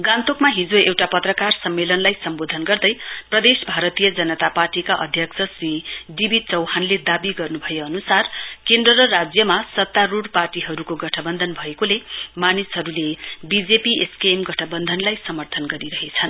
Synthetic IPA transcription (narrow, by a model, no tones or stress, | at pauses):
ɡãnt̪okmaɦid͡zoewʈapʌt̪rʌkarsʌmːelʌnlajsʌmbod̪ʱʌnɡʌrd̪ʌjprʌd̪esbʱaɾʌt̪ijʌd͡zʌnʌt̪aparʈikaʔʌ̰d̪ʱjʌkt͡sʰʌsriɖibit͡sʌwɦanled̪abiɡʌrnubʱʌjeʌnusarkend̪rʌɾʌrad͡zjʌmasʌt̪ːaɾuɽparʈiɦʌɾukoɡʌʈʰʌbʌnd̪ʱʌnbʱʌekolemanisɦʌɾulebid͡zepieskemɡʌʈʰʌbʌnd̪ʱʌnlajsʌmʌrt̪ʰʌnɡʌɾiɾʌɦet͡sʰʌn